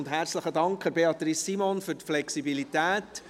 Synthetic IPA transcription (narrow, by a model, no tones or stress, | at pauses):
ndɦæɾt͡sləχədɑŋkχəɾbeɑt̪ɾisimɔnfʏɾtflɛksibilit̪æːt